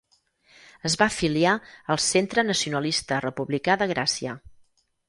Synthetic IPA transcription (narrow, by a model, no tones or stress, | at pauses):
əzβafiliaəlˠsent̪ɾənəsiunəlist̪ərəpuβlikaðəɣ̞ɾʔasiə̰